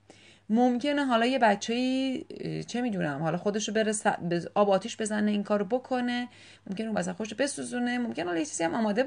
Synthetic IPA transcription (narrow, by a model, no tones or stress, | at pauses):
momcʰe̞neɦɒːlɒːje̞bætt͡ʃʰːejiː | t͡ʃʰe̞miːd̪uːnæmhɒːlɒxod̪eʃobeɾesæ̰beʔɒːbɒːt̪ʰiːʃbe̞zæneiːŋkʰɒːɾobokʰo̞ne̞ | momcʰʲenumbæsæxodeʃ̬obe̞suzunemo̞mkʰʲe̞nehɒlɒjet͡ʃʰiːzihæmɒːmɒːd̪e